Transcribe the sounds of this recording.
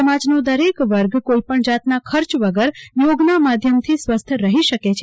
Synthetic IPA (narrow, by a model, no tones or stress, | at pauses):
əmad͡ʒnod̪əɾekʋəɾɡkoipəɳd͡ʒat̪nakʰəɾt͡ʃʋəɡəɾjoɡnamad̪ʱjəmt̪ʰisʋəst̪ʰɾəɦiʃəket͡ʃʰe